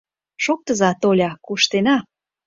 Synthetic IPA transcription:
ʃok̚t̪əzɑt̪olʲɑkuʃt̪enɑ

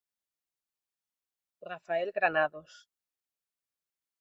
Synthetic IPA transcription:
rafaelɣɾanaðos

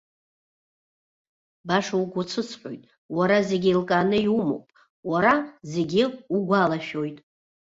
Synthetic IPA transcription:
baʂauɡʷʊt͡sʰɨt͡sʰħʲʷʼojtʼ | waɾazeɡʲilkʼanɨiumo̰wpʼ | waɾaze̞ɡʲɪuɡʷalaʃᶣojtʼ

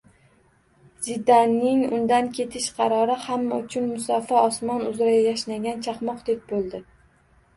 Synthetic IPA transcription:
z̥ɪd̪anːɪŋʊnd̪ankʲʰe̞t̪ʰɪʃqʰɑɾɒɾɪhamːaʊt͡ʃʰʊnmʊsɒfaɒsmɒnʊzɾajajaʃnaɡʲant͡ʃʰɑχmɒqd̪ek̚bolˠd̪ɪ

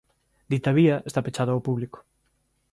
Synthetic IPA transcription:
d̪it̪aβiɐest̪apet͡ʃaðoawpuβlikʊ̥

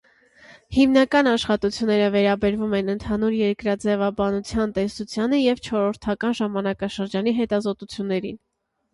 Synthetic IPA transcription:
himnɑkɑn̪ɑʃχɑt̪ut͡sʰjunːɛɾəvɛɾɑbɛɾvumɛnənt̪ʰɑnuɾjɛɾkɾɑd͡zɛvɑbɑnut͡sʰjɑnt̪ɛsut͡sʰjɑnəjɛvt͡ʃʰɔɾɔɾt̪ʰɑkɑnʒɑmɑnɑkɑʃəɾd͡ʒɑniɦɛt̪ɑzɔt̪ut͡sʰjunːɛɾḭn

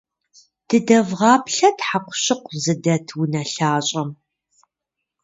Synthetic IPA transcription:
d̥ɨdɐvʁɑːpɬɐtħaqʷʊ̥ɕɪqʷʊzɨdɐtʰwunɐɬaːɕʼɐm

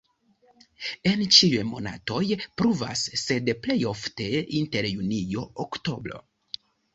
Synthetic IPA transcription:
e̞nt͡ʃiujmo̞na̰to̞jpɾuva̰sːe̞dple̞jo̞fte̞inte̞ɾjunijo̞okto̞bɾo̞̰

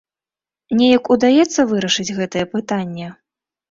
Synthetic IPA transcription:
nʲɛjɐkud̪ajɛt̪sːɐvɨɾɐʂɨd͡zʲɣɛt̪ɐjɛpɨt̪anʲːɛ

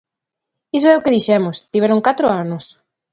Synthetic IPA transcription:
is̬oɛʊkeðiʃɛmost̪iβɛɾʊŋkat̪ɾʊanos

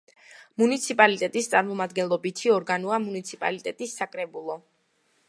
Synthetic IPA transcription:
munit̪sʰipʼalit̪ʼɛt̪ʼist̪sʼaɾmɔmad̪ɡɛnlˠɔbit̪ʰiɔɾɡanuamunit̪sʰipʼa̰lit̪ʼɛt̪ʼisːakʼɾɛbulˠɔ

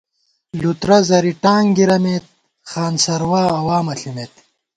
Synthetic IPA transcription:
lut̪ɾɐzɐɾiʈaːŋɡiɾɐmeːt̪̚ | χaːnsɐɾwaːwaːmɐɬimeːt̪

